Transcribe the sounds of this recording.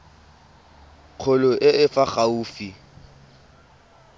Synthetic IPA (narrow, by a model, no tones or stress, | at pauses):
q͡χʰʊlʊʔɪɪfaχauːfi